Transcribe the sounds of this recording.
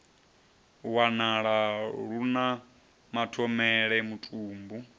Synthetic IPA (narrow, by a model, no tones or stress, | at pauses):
wanaɺaɺuna | matʰɔmɛɺɛmutʼuːmbu